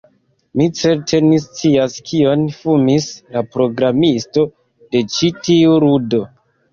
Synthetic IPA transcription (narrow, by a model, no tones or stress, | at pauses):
mit͡se̞ɾtʰe̞nist͡siaskʰio̞nfumislapɾo̞ɡɾamisto̞ | de̞t͡ʃitiuɾudo̞